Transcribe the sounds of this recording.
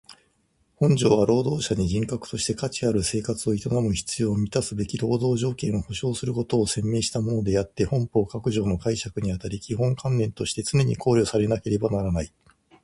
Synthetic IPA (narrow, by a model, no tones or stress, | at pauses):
hõ̞ɲ̟d͡ʑo̞ːβaɾo̞ːd̪o̞ːɕaɲ̟iʑĩŋkakɯ̟̥t̪o̞ɕi̥t̪e̞kat͡ɕiaɾɯ̟se̞ːkat͡sɨo̞it̪onamɯ̟çi̥t͡sɨjo̞ːmʲit̪asɨbe̞kʲiɾo̞ːd̪o̞ːʑo̞ːkẽ̞ɰ̃o̞ho̞ɕo̞ːsɨɾɯ̟ko̞t̪o̞ːsẽ̞mːe̞ːɕi̥t̪amo̞no̞d̪e̞jat̪ːe̞hõ̞mpo̞ːkakɯ̟ʑo̞ːno̞kaiɕakɯ̟ɲ̟iat̪aɾʲikʲiɦõ̞ŋkʰãnːẽ̞nt̪o̞ɕi̥t̪e̞t͡sɨne̞ɲ̟ikʰo̞ːɾʲjo̞saɾe̞nake̞ɾe̞banaɾanai